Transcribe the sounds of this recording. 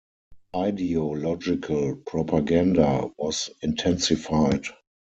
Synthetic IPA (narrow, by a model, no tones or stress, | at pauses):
aɪdiolɔd͡ʒɪkʰəlpʰɹɔpʰaɡãndawɔsɪ̃ntʰɛ̃nsɪfaɪt